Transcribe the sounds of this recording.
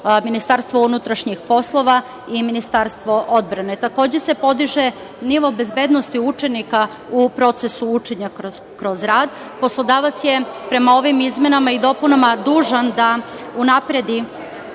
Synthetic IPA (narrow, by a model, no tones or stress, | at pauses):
minist̪aɾst̪ʋounut̪ɾaʃɲixpo̞slˠo̞ʋa | iminist̪aɾst̪ʋo̞ʔo̞d̪̚bɾane̞t̪ako̞ːd͡ʑese̞po̞d̪iʒe̞ | niʋo̞be̞zbe̞ːd̪nost̪iut͡ʃe̞nika | upɾo̞t̪sesuut͡ʃe̞ɲako | kɾo̞zɾaːd̪ | po̞slˠo̞d̪aːʋat̪sje̞pɾe̞mao̞ʋimizmje̞namaid̪o̞punamad̪uːʒand̪a | unapɾed̪i